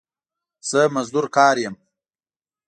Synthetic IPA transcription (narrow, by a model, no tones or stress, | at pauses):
z̥əmazd̪uɾkɑːɾjem